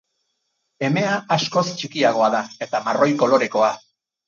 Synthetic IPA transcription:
e̞me̞aːsko̞st͡ʃikiaɣ̞o̞aðae̞t̪amaro̞jko̞lo̞ɾe̞ko̞a

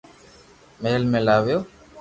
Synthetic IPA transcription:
meːlmẽːlaːʋjoː

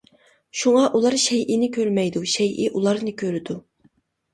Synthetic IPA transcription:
ʃuŋɑʔulˠɑɾʃɛjʔɪnɪkʲʰøɾmɛjd̪uʃɛjʔiʔulˠɑɾnɨkʲʰøɾɪd̪u

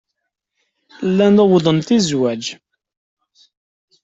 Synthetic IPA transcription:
lːænæwðˤənt̪izwæd͡ʒ

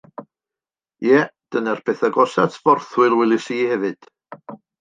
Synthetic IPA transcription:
jɛd̥ənarpʰeːθaɡɔsatʰv̥ɔrθwɨlˠwɛlˠɪsiːhɛvɨd̥

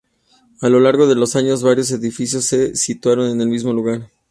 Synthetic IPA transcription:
alo̞laɾɣo̞ðe̞lo̞saɲo̞zβaɾjo̞s̬e̞ðifisjo̞sːe̞sit̪waɾo̞ne̞ne̞lmizmo̞luɣaɾ

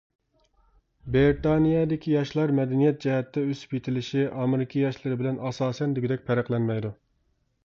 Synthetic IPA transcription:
beɾt̪ɑnijɑd̪ɪkʲʰijɑʃlˠɑɾmɛd̪ɛnijɛt̪̚d͡ʒɛɦɛt̪ːɛøsy̥pjet̪ʰɪlɪʃiʔɑmeɾɪkʲʰijɑʃlˠɨɾɪbɪlɛnɑsɑːsɛnd̪yɡʲid̪ɛk̚ʲpʰæɾæqlˠɛnmɛjd̪u

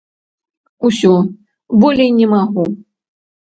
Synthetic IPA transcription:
usʲɔ | bɔlʲejnʲɛmaɣu

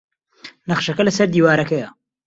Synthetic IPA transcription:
nɐχʃɐkɐlɐsɐɾd̪iːwaːɾɐkɐjɐ

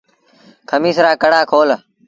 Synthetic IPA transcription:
kʰəmiːsɾaːkəɽaːkʰoːl

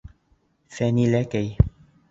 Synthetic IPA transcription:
fɛnilɛkej

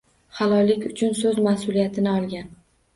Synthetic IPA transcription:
hɑlˠɒjlɪkʲʊt͡ʃʰʊnsɵzmasʊlijat̪ʰɪnɪɒlˠɡʲan

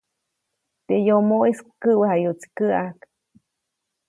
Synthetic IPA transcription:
t̪ejomoeskɨwahajoʔt͡si̥kɨʔak

